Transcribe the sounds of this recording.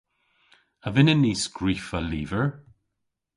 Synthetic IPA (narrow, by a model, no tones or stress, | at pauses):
əvɪnənːiːskɹiːfəliːvəɹ